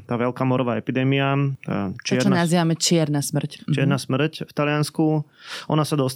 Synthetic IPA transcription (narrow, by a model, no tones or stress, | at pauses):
t̪aːʋɛlkaːmɔɾɔʋaːɛpid̪ɛːmia̰ | t͡ʃɪɛt͡ʃɾɔnanaziːʋamɛt͡ʃɪɛɾnasmr̩ct͡ʃɪɛɾnasmr̩cft̪alɪjanskuʔɔ̰nasad̪ɔs